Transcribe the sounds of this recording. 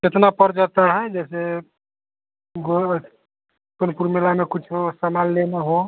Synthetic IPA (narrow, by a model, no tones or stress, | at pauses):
d͡ʒet̪napəɾd͡ʒat̪aɦɛd͡ʒɛse | ɡo | sonpuɾmilamekut͡ʃʰosəmalːenaɦõ